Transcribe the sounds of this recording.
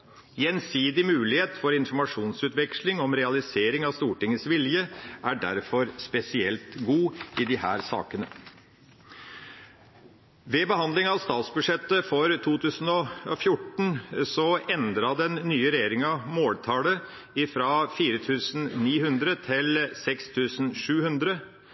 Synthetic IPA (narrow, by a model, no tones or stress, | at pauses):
jɛnsiːd̪ɪmʉːlɪheːt̪fɔɾɪnfɔɾmɑʂuːnsʉːt̪ʋɛkʂlɪŋɔmɾɛɑlɪseːɾɪŋɑʋst̪uːʈɪŋːəsʋɪljəʔæɖæ̰ɾfɔɾspɛsɪɛ̰lt̪ɡuːɪd̪ɪhæ̰ːɾsɑ̰ːkənə | ʋɛbəɦɑnd̪lɪŋɑʋst̪ɑːt̪sbʉʂɛt̪ːəfɔɾt̪ʰuːt̪ʰʉːsn̩ɔɔfjʊʈɳ̩sɔɛnd̪ɾɑd̪ɛnːyːəɾɛjeːɾɪŋɑʋmoːlt̪ʰɑːlə | ɪfɾɑːfiːɾət̪ʰʉːsn̩niːɦʉnd̪ɾət̪ʰɪlsɛkst̪ʰʉːsn̩ʂʉːhʉnd̪ɾə